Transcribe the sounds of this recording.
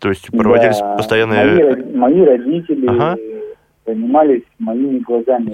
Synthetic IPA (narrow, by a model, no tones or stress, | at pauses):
t̪o̞ɪsʲtʲpɾdɾəvɐdʲilʲɪsʲpəst̪ɐjanːɨjəiɾɐmɐjiɾɐdʲitʲɪlʲɪa | zənʲɪmalʲɪsʲmɐjimʲɪɡlˠɐzamʲɪ